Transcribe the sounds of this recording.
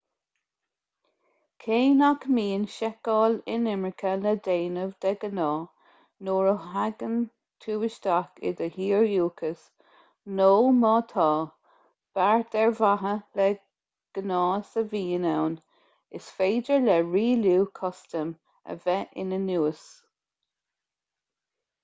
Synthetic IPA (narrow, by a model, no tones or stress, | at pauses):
kʰeːnakmiːnʃɛkɑːlɪnɪmɹɪkʰələd̪eːnəvd̪ɛɡənɑː | noːɹəɦaɡən | t̪ʰuːwɪʃt̪akɪ̰d̪əhiːɹjuːkʰəs | noːmɑːt̪ʰɑː | b̥aɹt̪ɛɹvaɦəlɛ | ɡ̥ənɑːsəviːənawn | ɪsfeːdəɹlɛɹiːluːkʰɔstəm | ə̰vɛʔɪ̰nənuːəs